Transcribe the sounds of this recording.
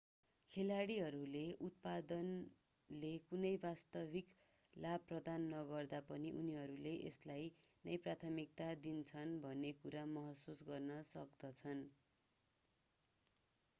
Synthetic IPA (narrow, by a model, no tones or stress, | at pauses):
kʰelaɽiɦʌɾuleʔut̪̚pad̪ʌn | lekunʌjbast̪ʌbʱik | labprʌd̪anːʌɡʌrd̪apʌniʔuniɦʌɾuleʔḛslajnʌjprat̪ʰʌmik̚t̪ad̪int͡sʰʌnbʱʌnːekuɾamʌɦʌsusɡʌrnʌsʌkd̪ʌt͡sʰʌn